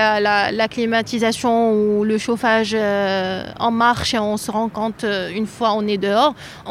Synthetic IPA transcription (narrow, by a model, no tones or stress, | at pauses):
alalaklimat̪izasjɔ̃uləʃofaʒø | ɑ̰̃maʁʃeɔ̃səʁɑ̃kɔ̃t̪ynfwaɔ̃ned̪əɔːʁ̃